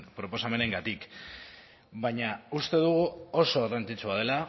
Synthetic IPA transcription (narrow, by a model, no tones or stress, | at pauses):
pɾo̞po̞same̞ne̞ŋɡat̪ik | baɲaust̪e̞ðuɣuo̞so̞erant͡sit͡suað̞e̞la